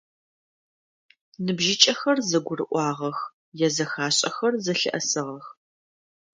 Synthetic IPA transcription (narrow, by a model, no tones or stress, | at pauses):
nɨbʒɪt͡ʃʼɐxɐrzɐɡʷʊrɨʔʷɑːʁɐx | jɛzɐxaːɕʼɐxɐrzɐɬɨ̰ʔɐsɨʁɐx